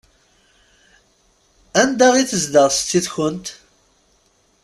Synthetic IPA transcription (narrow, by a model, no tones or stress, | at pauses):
ænd̪æʁiθəzd̪əʁst̪ːiðçənt̪